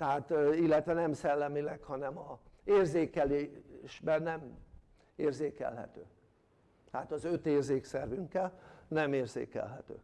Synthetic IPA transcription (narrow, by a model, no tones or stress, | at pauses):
t̪ɛɦaːt̪ilːɛt̪ʋɛnɛmsɛlːɛmilɛkhɒnɛmɒeːrzeːkɛleːʃbɛnːɛm | eːrzeːkɛ̰lɦɛ̰t̪ø̰ː | t̪ɛɦat̪ɒzø̞t̪eːrzeːksɛrvyŋkːɛlnɛmeːrzḛːkɛ̰lɦɛt̪ø̰ː